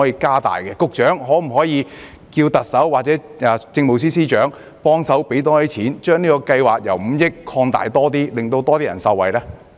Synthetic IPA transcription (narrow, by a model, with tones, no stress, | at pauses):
ɔ˨˥jiː˧kaː˥t̪a̰ː˨jkɛ˧kʊ˨k̚t͡ʃœː˨˥ŋɦɔː˨˥m̩˨˩hɔː˨˥jiː˨˧ | kiː˧wt̪ɐ˨k̚sɐ˨˥wːaː˨t̚t͡sɛː˨˥ɛ˨˧t͡sɪ˧ŋmo˨ws̬iː˥siː˥t͡ʃœː˨˥ŋ | pɔː˥ŋsɐ˨˥wpe˨˥jt̪ɔː˥li˥t͡sʰiː˨˥nt͡ʃœː˥ŋniː˥kɔː˧kɐ˧jwaː˨k̚jɐ̰˨˩wm̩˨˧˦jɪ˥kʰːɔː˧ŋt̪a̰ː˨jt̪ɔː˥t̪iː˥lɪ˨ŋt̪o˧wt̪ɔː˥t̪iː˥jɐ̰˨˩nsɐ˧wɐ̰˨jlɛː˥